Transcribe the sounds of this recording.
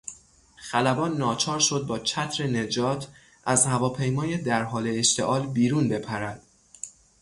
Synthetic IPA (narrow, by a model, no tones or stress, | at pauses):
xælæbɒːnːɒːt͡ʃʰɒːɾʃo̞d̪̚bɒːt͡ʃʰæt̪ʰɾene̞d͡ʒɒːt̪ʰ | ʔæzhævɒːpʰe̞jmɒːjed̪æɾɦɒːle̞ːʃt̪ʰe̞ʔɒːlbiːɾuːnbe̞pʰæɾæd̪̥